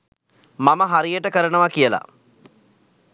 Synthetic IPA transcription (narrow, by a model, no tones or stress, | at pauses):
maməɦaɾijəʈəkəɾənəʋakijəla̰